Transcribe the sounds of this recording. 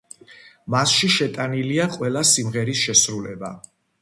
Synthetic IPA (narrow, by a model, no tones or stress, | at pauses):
masʃiʃɛt̪ʼaniliaqʼwɛlˠasimʁɛɾisʃɛsɾulɛba̰